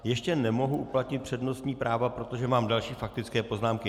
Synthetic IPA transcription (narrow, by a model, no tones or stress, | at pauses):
jɛʃcɛnɛmo̞ɦuʔuplat̪ɲɪt̪̚pr̥ɛdno̞st̪ɲiːpɾaːvapɾo̞t̪o̞ʒɛmaːmdalʃiːfak̚t̪ɪt͡skɛːpo̞znaːmkɪ